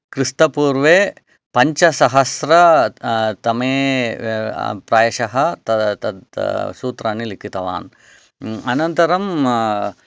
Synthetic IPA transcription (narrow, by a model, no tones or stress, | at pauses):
kɾist̪ɐpuːɾʋeː | pɐɲt͡ʃɐsɐɦɐsɾɐ | t̪ɐmeː | pɾaːjɐʃɐɦɐt̪ɐt̪ɐd̪suːt̪ɾaːnilikʰit̪ɐʋa̰ːn | ɐnɐnt̪ɐɾɐm